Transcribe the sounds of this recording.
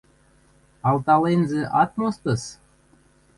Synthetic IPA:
ɑlt̪ɑlenʲzĕʔɑt̪most̪ɤ̆s

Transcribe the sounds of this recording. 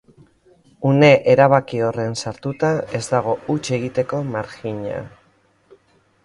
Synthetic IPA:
une̞ʔeɾaβ̞akio̞re̞nsaɾt̪ut̪ae̞zd̪aɣ̞o̞ut͡ʃe̞ɣit̪e̞ko̞maɾxiɲa̰

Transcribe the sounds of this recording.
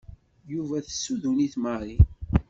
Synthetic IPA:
juvæθsːuðuniθməɾˤi

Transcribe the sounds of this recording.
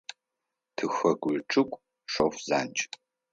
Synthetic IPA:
tʰɨxɐɡʷʊʈ͡ʂʰʼɨkʷʼ | ʂofza̰ːnt͡ʃʼ

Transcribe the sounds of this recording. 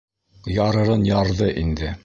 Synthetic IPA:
jɑɾɤ̆ɾɤnjɑɾðɤʔind̪ɘ

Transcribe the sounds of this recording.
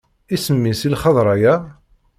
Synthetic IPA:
isəmːisilχɑðˤɾˤɑjæ

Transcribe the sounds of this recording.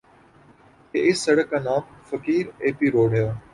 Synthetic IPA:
kḛːʔɪsːɐɽəkːãːnaːmfəkiːɾeːpiːɾoːɽjaː

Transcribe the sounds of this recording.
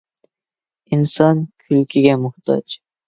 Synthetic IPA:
insɑnkʲʰylkʲʰiɡʲɛmʊht̪ʰɑ̰d͡ʒ

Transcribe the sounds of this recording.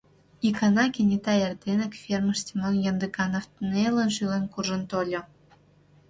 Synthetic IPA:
ikɑnɑkʲenʲit̪ɑjerd̪enɘ̆kfʲerməʃtʲimonjɤ̆nd̪əkɑnoft̪nelə̆nʃylenkurʒə̆nt̪olʲɤ̆

